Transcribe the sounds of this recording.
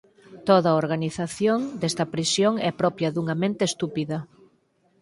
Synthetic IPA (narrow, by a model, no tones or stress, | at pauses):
t̪oðɐoɾɣaniθaθjoŋd̪ɛst̪ɐpɾisjoŋɛpɾɔpjɐðuŋɐmẽnt̪eːst̪upiðɐ